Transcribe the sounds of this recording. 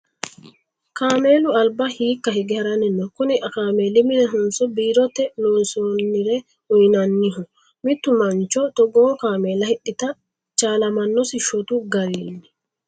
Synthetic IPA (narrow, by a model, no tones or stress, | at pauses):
kaːme̞ːlʊɐlbɐhiːkːɐhɪɡɪhɛɾɐnɛnːɔkʊnɪʔɐkaːmeːlɪmɪnɛɦʊnsɔbiːɾɔt̪ːɛnoːnsoːnːɪɾɛ | ʊjnɐnːɪɦʊ | mɪt̪ːʊmɐnt͡ʃɔt̪ɔɡoːkaːmeːlɐhɪɗɪt̪ɐ | t͡ʃaːlɐmɐnːɔsɪʃɔt̪ʊɡɐɾeːnːɪ